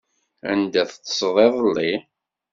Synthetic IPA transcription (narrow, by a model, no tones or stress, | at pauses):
æ̰nd̪æθtːsˤðˤeðˤəlːi